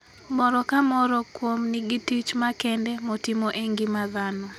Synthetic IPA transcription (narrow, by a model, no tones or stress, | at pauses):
mɔɾɔkamɔɾɔkwomniɡitit͡ʃmakɛndɛmɔtɪmɔʔeŋɡimaðanɔ